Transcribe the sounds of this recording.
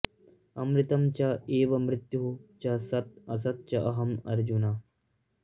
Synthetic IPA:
ɐ̰mɾɪt̪ɐmt͡ʃɐeːʋɐmɾɪt̪juɦut͡ʃɐsɐt̪̚ɐsɐt̪̚t͡ʃɐʔɐɦɐmɐ̰ɾd͡ʒunaː

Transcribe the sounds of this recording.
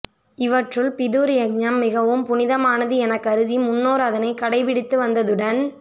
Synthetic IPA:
ɪʋɐʈrɯɭpɪðuːɾɪjɐɡ̚ɲɐmːɪɣɐʋɯmpʊnɪðɐmaːnɐðɯɛnɐkːɐɾɯðimʊnːoːɾɐðɐnɐɪkɐɽɐɪpɪɽɪt̪ːɯʋɐnd̪ɐðɯɽɐn

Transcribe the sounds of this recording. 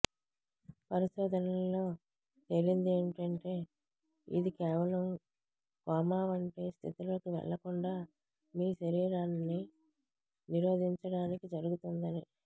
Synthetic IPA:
pɐɾiʃɔːd̪ʱɐnɐlo̞ː | t̪eɾind̪ieːɳʈɐɳʈe̞ː | ḭd̪ikɛːʋɐlɐm | kaːmaːʋɐɳʈe̞ːst̪ʰit̪uloːkiʋɛ̰ɭːɐkuɳɖaː | miːʃɐɾiːɾaːnːi | niɾo̞ːd̪ʱiɲt͡ʃɐɽaːnikid͡ʒɐɾuɡut̪und̪ɐni

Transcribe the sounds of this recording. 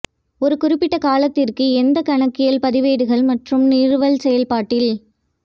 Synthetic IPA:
ɔɾɯkʊɾɪpːɪʈːɐkaːlɐt̪ːɪrkɯɛnd̪ɐkɐɳɐkːɪjɐlpɐðɪʋeːɽɯɣɐɭmɐʈrɯmniːrɯʋɐlsɛjɐlpaːʈːɪl

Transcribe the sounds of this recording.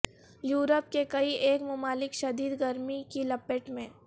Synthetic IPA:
juːɾəp̚kekɐiʔeːkmʊmaːlɪkʃɐd̪iːd̪ɡɐɾmikilɐpeʈmẽː

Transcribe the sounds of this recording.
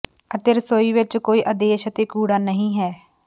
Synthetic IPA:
ət̪eɾsoːiːʋɪt͡ʃkoːiːʔəd̪eːʃət̪eːkuːɽaːnəɦĩːɦɛː

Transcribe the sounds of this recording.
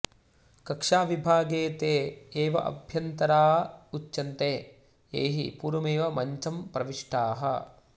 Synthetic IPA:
kɐkʂaːʋibʱaːɡeːt̪eːeːʋɐʔɐ̰bʱjɐnt̪ɐɾaːutːjɐnt̪eː | ḛːɦḭpuːɾɐmeːʋɐmɐɲt͡ʃɐmpɾɐʋiʂʈaːɦɐ̰

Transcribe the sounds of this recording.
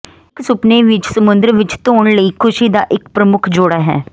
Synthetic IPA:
ɪksʊpneːʋɪt͡ʃsəmʊnd̪əɾʋɪt͡ʃt̪oːɳləiːkʰʊʃiːd̪aːʔɪkpɾəmʊkʰd͡ʒoɽaːɦɛ̰ː

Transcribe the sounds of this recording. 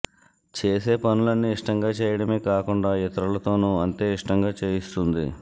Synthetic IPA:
t͡ʃeːse̞ːpɐnulɐnːiːʂʈɐŋɡaːt͡ʃɛːjɐɽɐme̞ːkaːkuɳɖaːjit̪ɐɾɐlɐt̪o̞ːnuɐnt̪e̞ːiʂʈɐŋɡaːt͡ʃeːjist̪und̪ḭ

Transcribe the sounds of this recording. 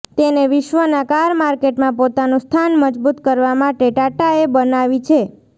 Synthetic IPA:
t̪eneʋɪʃʋənakaɾmaɾkeʈmãpot̪anũst̪ʰanməd͡ʒbut̪kəɾʋamãʈeʈaʈaebənaʋit͡ʃʰe

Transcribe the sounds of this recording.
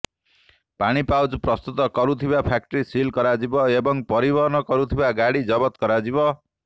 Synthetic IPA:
paɽ̃ipawd͡zpɾʌst̪ut̪ɔkɔɾut̪ʰibapʰak̚ʈɾisilkɔɾad͡ʒibɔebɔŋpɔɾibɔɾnɔkɔɾut̪ʰibaɡaɽid͡ʒʌbɔt̪kɔɾad͡ʒibɔ

